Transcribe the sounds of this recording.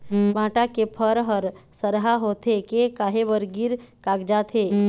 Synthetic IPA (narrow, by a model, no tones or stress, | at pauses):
bʱãʈakepʰəɾɦəɾsəɾɦaɦot̪ʰekekaɦebəɾɡiɾkaɡd͡ʒat̪ʰe